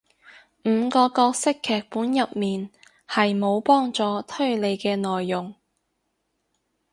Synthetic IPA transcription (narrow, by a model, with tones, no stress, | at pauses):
m̩ː˨˧kɔː˧kɔː˧k̚sɪ˥kʰːɛː˨k̚puː˨˥njɐ˨p̚miː˨n | hɐ˨jmo˨˧wpɔː˥ŋt͡sɔː˨˧t̪ʰɵ˥ɥle˨˧jkɛː˧nɔː˨jːʊ˨ŋ